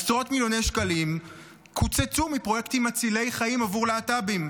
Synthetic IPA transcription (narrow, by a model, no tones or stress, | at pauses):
sʁo̞tmiljo̞nejʃkalim | kʰut͡set͡sumipʁo̞je̞ktimat͡sile̞jχaimavuʁleatabim